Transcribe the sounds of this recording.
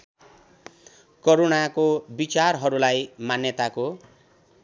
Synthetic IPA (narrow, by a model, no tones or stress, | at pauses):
koɾonakobit͡sarɦʌɾulajmanjʌt̪ako